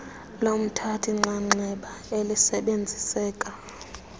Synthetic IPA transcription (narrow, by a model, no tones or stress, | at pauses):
lom̩tʰatʰiŋ͡ǁaŋ͡ǀɛɓaelisɛɓend͡zʱisɛːkʼa